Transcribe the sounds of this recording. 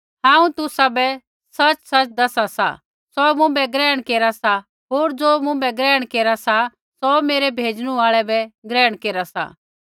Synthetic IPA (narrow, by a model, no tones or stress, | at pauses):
ɦãːũt̪ʊsabɛ | sɐt͡ʃsɐt͡ʃd̪ɐsasa̰ | sɔmʊ̃bɛɡɾɛːəɽ̃keːɾasa | ɦoːɾd͡zoːmʊ̃bɛɡɾɛːɽ̃keːɾasa | sɔmeːɾɛbʱeːd͡zɽ̃ũaːɭɛbɛɡɾɛːɽ̃keːɾasa̰